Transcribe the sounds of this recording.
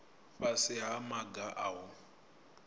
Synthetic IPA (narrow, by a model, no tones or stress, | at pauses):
ɸasɪɦamaɡaʔaʊ